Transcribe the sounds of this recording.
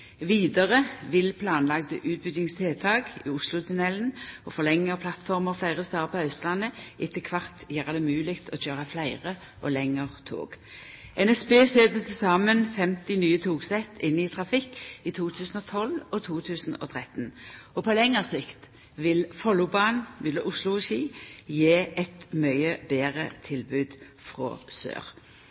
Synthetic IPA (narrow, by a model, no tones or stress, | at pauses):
ʋiːd̪əʁəʋɪlpʰlɑːnlɑɡd̪əʔʉːt̪̚bʏɡ̪jɪŋst̪ʰeːlt̪ʰɑːɡḭʊslʊt̪ʰʉnɛlnɔfɔʁlɛŋːəpʰlɑt̪fɔʁməʁflæɪʁəst̪ɑːpʰɔhœʏst̪lɑnːəʔɪt̪ːəkʰʋɑʁt̪jæːʁəd̪ɛmʉːlɪkt̪ʰɔçøːʁɑflæɪʁə | ʔɔ̰lɛŋːəʁt̪ʰo̰ːɡ̥ | ɛnɛspeːseːd̪ət̪ʰɪsɑːmənfɛmt̪ɪnyːət̪ʰuːɡsɛt̪ɪnːɪt̪ʰʁɑfɪkːit̪ʰuːt̪ʰʉːsn̩ɔt̪ʰɔlɔt̪ʰuːt̪ʰʉːsn̩ɔ̰t̪ʰʁɛt̪n̩ɔpʰɔlɛŋːəʁsɪkt̪ | ʋɪlfɔlʊbɑːnʋɪləʔʊslʊɛʃiːjeːʔɛt̪mœʏəbeːʁət̪ʰɪlbʉːd̪ | fʁɔ̰ːsø̰ːʁ